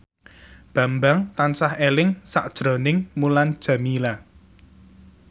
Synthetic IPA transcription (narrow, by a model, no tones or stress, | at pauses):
b̥a̤mbaŋt̪ansahelɪŋsaʔd̥ʒ̥ɾɔ̤nɪŋmuland̥ʒ̥a̤mila